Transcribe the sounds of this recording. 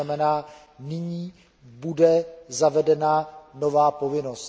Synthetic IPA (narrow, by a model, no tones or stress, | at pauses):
amɛnaː | nɪɲiː | budɛzavɛdɛnano̞vaːpo̞vɪno̞s